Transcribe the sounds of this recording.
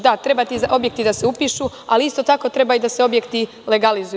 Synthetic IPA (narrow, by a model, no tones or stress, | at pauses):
d̪at̪ɾe̞bat̪iʔo̞bje̞k̚t̪id̪aseupiːʃu | aliist̪o̞t̪ako̞t̪ɾe̞baid̪aseo̞bjekt̪i | le̞ɡalizu